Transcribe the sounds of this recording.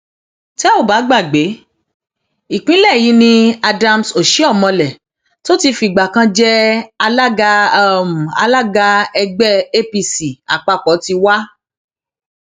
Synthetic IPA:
tɛ˦o˦˨ba˨˦ɡ͡ba˦˨ɡ͡be˨˦ | i˨k͡pĩ˦lɛ˦˨ji˨˦nĩ˧a˧da˧m̩so˨ʃi˨˦ɔ˦˨mɔ̃˧lɛ˨ | to˦ti˧fi˨ɡ͡ba˨kã˧d͡ʒɛ˦a˧la˦ɡa˧˦˨m̩̃˨a̰˧la˦ɡa˧ɛ˧ɡ͡bɛ˦e˦pi˧si˨a̰˨k͡pa˧kɔ˨˦ti˧wa˦

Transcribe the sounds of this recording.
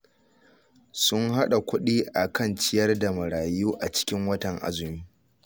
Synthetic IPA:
sʊ˦ŋɦa˦ɗa˨kʷʊ˦ɗiː˦ʔa˨kɐ˦˨nt͡ʃɪ˦jɐ˦rda˨mɐ˨ɽaː˨juː˦ʔa˨t͡ʃɪ̥˦kʲɪ˦ŋwɐ˦tɐ˨ŋʔa̰˨zʊ˨miː˦

